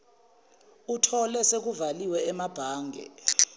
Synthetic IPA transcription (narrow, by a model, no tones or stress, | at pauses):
utʰɔlɛsek̬uvaliwɛɛmab̥ʱaːŋɡʱɛ̰